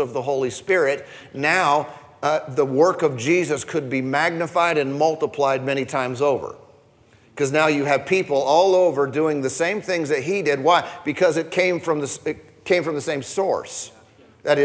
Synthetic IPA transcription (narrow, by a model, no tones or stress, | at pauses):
ʌvðəɦoʊlˠispɪɹɪt̚ | naʊ | ðəwɜ˞kʌvd͡ʒizɨskʰɨd̚bimæɡ̚nɨfaɪɾɨ̃nmʌlˠtəpʰl̥aɪd̚mɛñitʰãɪ̃mzoʊvə̰˞ | kʰʌznaʊjɨːv̥pʰipl̩ˠɔlˠoʊvə˞dʉɪ̃ŋðɨsẽɪ̃mθɪ̃ŋzðɨt̚ɦidɪd̚waɪb̥ɨkʰʌzɨt̚kʰẽɪ̃ɱfɹʌ̃mðɨsɪ | kʰẽɪ̃ɱfɹʌ̃mðɨsẽɪ̃msɔ̰ɹs | ðɨɾɨ